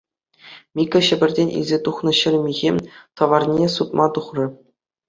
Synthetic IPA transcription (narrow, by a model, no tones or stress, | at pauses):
mʲikʲɤ̆ɕɘ̆bʲɘ̆rʲdʲenʲḭlʲzʲet̪uχnɤ̆ɕɘ̆rʲmʲiɣʲemʲt̪ɤ̆ʋɑrnʲesut̪̚mʔɑt̪uχrɤ̆